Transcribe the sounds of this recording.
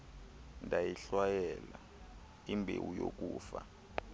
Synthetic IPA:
ndʱajiɬwajɛla | imbʱewujok̬ʼuːfa̰

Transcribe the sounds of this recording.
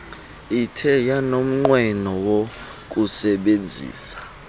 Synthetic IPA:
itʰɛjanom̩ŋ͡ǃwɛnɔwo | k̬ʼusɛɓend͡zʱḭːsḁ

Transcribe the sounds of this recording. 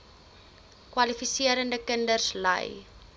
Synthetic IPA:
kwɐlifisiəɾəndəkəndərslə̰j

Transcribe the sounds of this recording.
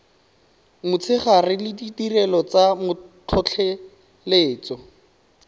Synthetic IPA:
mʊt͡sʰɪχarɪlɪditirɛlɔt͡samʊtʰɔt͡ɬʰɛ | leːt͡sɔ

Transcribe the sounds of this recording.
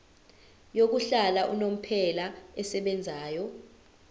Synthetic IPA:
jok̬uɬalaʔunom̩pʰɛlaɛsɛɓɛnd͡zʱaːjɔ

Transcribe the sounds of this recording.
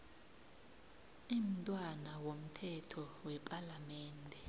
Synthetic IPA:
im̩tʼwanawom̩tʰɛtʰɔwɛpʼalamɛːndʱɛ

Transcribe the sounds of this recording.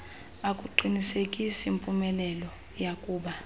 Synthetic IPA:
akʼuǃʱinisekʼisimpʼumɛlɛlɔ | jakʼuːɓa

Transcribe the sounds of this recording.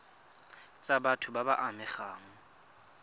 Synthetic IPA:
t͡sʼabatʰʊbabaʔamɪχaːŋ̩

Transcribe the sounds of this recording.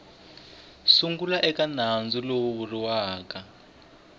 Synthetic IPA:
suŋɡulaʔɛkanand͡zulouwuriwaːka

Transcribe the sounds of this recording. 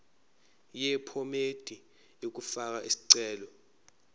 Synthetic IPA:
jɛpʰomed̥ʱi | ek̬ufak̬aʔisi̥ǀɛːlɔ

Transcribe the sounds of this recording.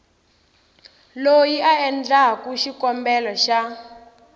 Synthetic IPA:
lojiaɛnd͡ɮakuʃikɔmbɛlɔʃa

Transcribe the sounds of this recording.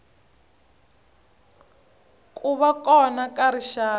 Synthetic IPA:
kʼuβakʼɔnakʼaɾiʃaː

